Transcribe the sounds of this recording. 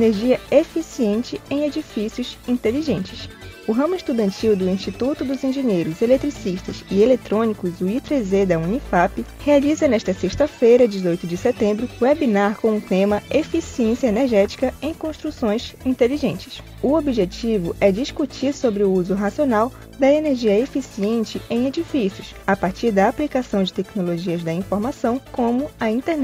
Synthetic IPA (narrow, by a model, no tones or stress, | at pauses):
eneɾʒiɐefisiẽnt͡ʃɪẽj̃ed͡ʒifisiʊzĩnt̪eliʒẽnt͡ʃɪs | ʊɦɐ̃mʊɪʃt̪ud̪ɐ̃nt͡ʃiwd̪ʊĩʃt͡ʃit̪ut̪ʊd̪ʊzĩʒẽɲejɾʊzelet̪ɾisiʃt̪ɐzɪelet̪ɾõnikʊzuit̪ɾezed̪ɐũnifapɪhealizɐnɛʃt̪ɐseʃt̪ɐfejɾɐd͡ʒɪzojt̪ʊd͡ʒɪset̪ẽmbɾʊɛbinaɾkõw̃ũt̪ẽmɐefisiẽsiɐeneɾʒɛt͡ʃi̥kɐẽj̃kõʃt̪ɾusõj̃sĩnt̪eliʒẽnt͡ʃɪ̥s | ʊobiʒet͡ʃivʊʔɛd͡ʒiskut͡ʃiɾsobɾɪʊuzʊɦasionaw | d̪ɐeneɾʒiɐefisiẽnt͡ʃɪẽj̃ed͡ʒifisjʊs | apaɾt͡ʃiɾd̪ɐaplikasɐ̃w̃d͡ʒɪt̪ɛknoloʒiɐzd̪ɐĩfoɾmasɐ̃w̃kõmʊɐĩnt̪enɛ